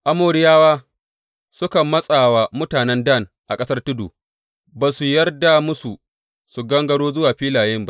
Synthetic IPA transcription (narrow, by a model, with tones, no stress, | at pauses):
ʔa˦moː˨ɾɪ˦jaː˦waː˦ | sʊ˦kɐ˨mːɐ˦sʼaː˨wa˨mʊ˦taː˨nɛ˦ndɐ˦˨nʔa˨kʼɐ˦sɐ˦rtʊ˦dṵː˨ | baː˨su˨jɐ˦rda˨mʊ˦su˨ | su˨ɡɐ˦ŋɡɐ˦ɽoː˦zʊ˦waː˨ɸiː˦laː˨jɪ˦mba˦